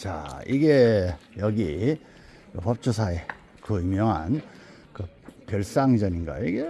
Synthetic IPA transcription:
t͡ɕa̰iɡejʌɡi | kɯpʌp̚t͡ɕʰusʰae | kɯimjʌŋɦa̰n | kɯ | pjʌɭs͈aŋd͡ʑʌɲinɡa̰iɡe

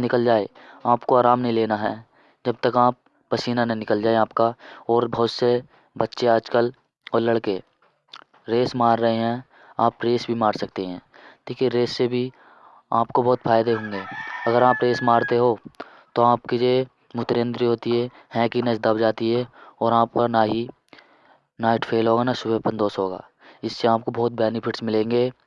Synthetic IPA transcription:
nɪkəld͡ʒaːeaːpkoaːɾaːmnəɦileːnaɦɛː | d͡ʒɐb̚t̪əkaːp̚ː | əsiːnanenɪkəld͡ʒaːeaːpkaɔːɾbɐɦʊt̪se | bətːʃeaːd͡ʒkəl | ɔːɾləɽke | ɾeːsmaːɾːəɦeɦɛ̃ː | aːpɾeːsbʱimaːɾsɐk̚t̪eɦɛ̃ː | t̪iːkeɾeːsːebʱi | a̰ːpkobɔːt̪fʰaːɪd̪eɦõːŋ̆ɡeːɐɡəɾaːpɾeːsmaːɾt̪eɦoː | t̪oaːpkid͡ʒeː | mʊt̪ɾẽːnd̪ɾiɦoːt̪iɦɛː | hɛ̃ːkinɐt͡ʃd̪əbd͡ʒaːt̪iɦɛɔːɾaːp̚kanaɦi | naːɪʈfʰeːlɦoːɡaːnaʃʊbepɐ̃nd̪oːsɦoːɡa̰ː | ɪsːeaːp̚kobɔːt̪̚beːnipʰɪʈsmɪlẽːŋɡeː

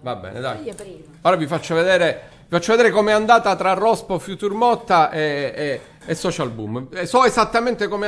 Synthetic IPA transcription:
vabːɛ̰ːnḛd̪aj | oːɾavifat͡ʃːoved̪eːɾe | vifat͡ʃːoved̪eːɾekomɛand̪aːt̪at̪ɾarːɔspofjut̪urmɔt̪ːaʔe | esːɔt͡ʃalbṵmesɔezat̪ːament̪ekome

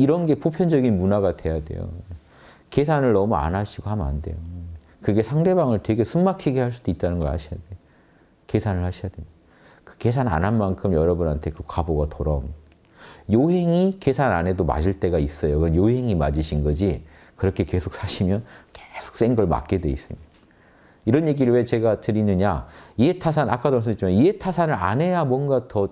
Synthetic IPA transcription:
iɾʌnɡe̞popʰjʌnd͡ʑʌɡinmunaɡadwe̞jade̞̰jo̰ | ke̞sʰanɯɭnʌmua̰nɦaɕʰiɡohama̰nde̞̰jo | kɯɡe̞sʰaŋde̞baŋɯɭtwe̞ɡe̞sʰumːakʰiɡehaɭs̬͈ud̥oit̚t͈anɯnɡʌɭha̰ɕʰijadeo | ke̞sʰanɯɭhaɕʰijadeo | kɯ̥ke̞s̬ʰana̰nɦanmankʰɯmjʌɾʌbunɦantʰe̞kɯkwaboɡatʰoɾʌm | joɦe̞ŋike̞sʰana̰ne̞doma̰d͡ʑiɭt͈e̞ɡais͈ʌjokɯʌnjoɦe̞ŋima̰d͡ʑiɕʰinɡʌd͡ʑi | kɯɾʌkʰe̞ke̞sʰok̚s͈aɕʰimjʌnke̥sʰo̥k̚s͈eŋɡʌɭma̰t̚k͈e̞dwe̞is͈ɯmid | iɾʌnje̞ɡiɾɯɭwe̞t͡ɕe̞ɡatɯɾinɯɲaietʰas̬ʰana̰kʰados̬͈it͡ɕ͈ʰimaietʰasʰanɯɾa̰ne̞jamwʌnɡatʌ

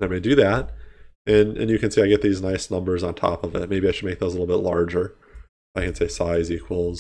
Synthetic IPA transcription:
ðɨ̃ɪmeɪdɨðæt̚ɨ̃nɨ̰̃njɨkɨ̃nseɪaɪɡɛt̪̚ðiznaɪsnʌ̃mbə˞zn̩tʰɑ̰pʌvɪ̰t̚meɪbiaɪʃɨd̚meɪk̚ðoʊzəlɪl̩ˠbɪtˡlɑɹd͡ʒə˞ | ʔaɪkɨ̃nseɪsaɪzikʰwəl̩ˠz̥

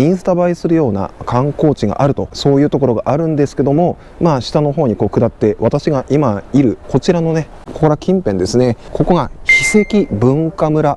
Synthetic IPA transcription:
ĩɰ̃sɨ̥t̪abaisɨɾɯ̟jo̞ːna̰kʰãŋko̞ːt͡ɕiɡa̰ʔaɾɯ̟t̪o̞so̞ːjɯ̟ːt̪o̞k̬o̞ɾo̞ɡaʔaɾɯ̟̃nd̪e̞sɨ̥ke̞d̪o̞mo̞ | maːɕi̥t̪ano̞ɦo̞ːɲ̟iko̞ːkɯ̟d̪at̪ːe̞βat̪aɕiɡaʔimaiɾɯ̟ko̞t͡ɕiɾano̞ne̞ | kokoɾakʲĩmpẽ̞nd̪e̞sɨnekʰo̞ko̞ɡaçisekʲibɯ̟̃ŋkamɯ̟ɾa

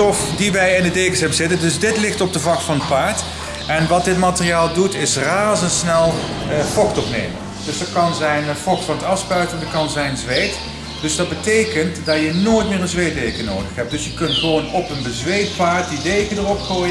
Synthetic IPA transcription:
ɔfdiʋɛjɪndədejkəsɛbəz̥ɪtəndɵsdɪtlɪχtɔb̚dəvɑkfɑnət̚paːɹt | ɛnʋɑt̚dɪtmaːtərijaːlˠdutɪsraːzəntsnɛlˠ | fɔxtɔfnḛjmə̰n | d̥ɵsdətkɑnzɛjnfɔxtfɑnətɑfspœɥtəndəkɑnzɛjnzʋejt | d̥ɵsdɑd̚bətejkəntdɑjənoːjtmɪːɹə̃nzʋejt̚dejkəno̰wdəχɦɛp̚d̥ɵsjəkɵntχəʋoːnɔpənbəzʋejtpaːɹt̚didejkədərɔpχoː

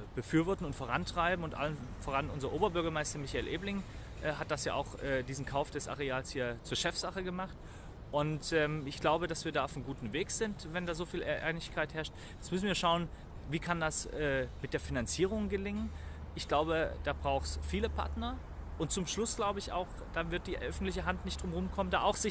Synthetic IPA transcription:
b̥əfyːɐvɔɐtn̩ʊntfoːʁantʁ̥aɪbm̩ʊntʔa̰lənfoːʁanʔʊnzɐʔoːbɐbʏɐɡɐmaɪstɐmɪçaɪːlʔeːblɪŋ | ʔɛːɦat̚d̥asja̰ːʔa̰ʊxʔɛːdiːzn̩kʰaʊfd̥ɛsʔa̰ʁeaːlshiːɐt͡suːɐʃɛfz̥aχəɡəmaχt | ʔʊntʔɛːmɪçɡ̥laʊbədasv̥iːɐdaːaʊfmɡuːtn̩veːkz̥ɪntvɛndaːzoːfiːlʔa̰ɪnɪçkʰaɪthɛɐʃt | jɛt͡smʏs̬n̩viːɐʃaʊən | viːkʰandasɛːmɪt̚d̥eːɐfinant͡siːʁ̞ʊŋɡəlɪŋən | ʔɪçɡ̥laʊbəd̥aːbʁaʊxsfiːləpʰa̰ɐtnɐ | ʔʊnt̚t͡sʊmʃlʊsɡ̥laʊbəɪça̰ʊx | d̥aːvɪɐt̚d̥iːʔœfn̩tlɪçəɦantnɪçt̚d̥ʁʊmʁʊmkʰɔməndaːʔaʊxz̥ɪ

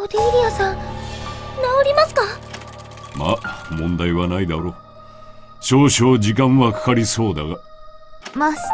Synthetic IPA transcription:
ot̪eiɾʲijasã | naoɾʲimasɨ̥ka | ma̰mõ̞nd̪aiβanaid̪aɾo̞ː | ɕo̞ːɕoːd͡ʑikãɰ̃βakḁkaɾʲiso̞ːd̪aɡa | mas

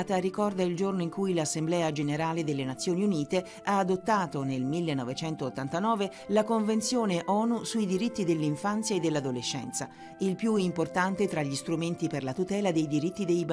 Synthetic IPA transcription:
t̪aɾikɔrd̪aild͡ʒornoiŋkujlasːemblɛːad͡ʒeneɾaːled̪elːenat̪sːjoːniuniːt̪e | aːd̪ot̪ːaːt̪onelmilːenːɔvet͡ʃɛnt̪oːt̪ːant̪anɔːve | lakoɱvent̪sjoːneʔɔːnusuid̪iɾit̪ːid̪elːiɱfant̪sjaed̪ːelːad̪oleʃːɛ̰nt̪sa | ilpjuimport̪ant̪et̪ɾaʎːist̪ɾument̪iperlat̪ut̪ɛːlad̪ejd̪iɾit̪ːid̪ejb

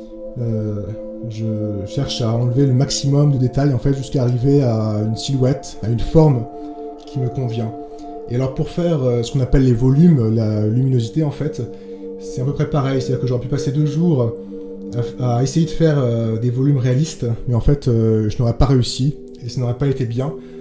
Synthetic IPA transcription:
ø | ʒəʃɛʁʃaɑ̃lveləmaksimɔmd̪əd̪et̪ajɑ̃fɛt̪ʒyskaːʁiveaynsilwɛt̪ | aynfɔʁm | kʲʰiməkɔ̃vjɛ̃ | ealɔʁpuʁfɛʁøsə̥kɔ̃napɛlːevɔlymlalyminozit̪eɑ̃fɛt̪ | sɛt̪ɛ̃pøpχɛpaʁɛjset̪ad̪iʁkəʒɔʁɛpypased̪øʒuːʁ | aaesejed̪əfɛʁød̪evɔlymʁealist̪mɛɑ̃fɛt̪øʒənɔʁɛpaʁeysi | esanɔʁɛpaet̪ebjɛ̃

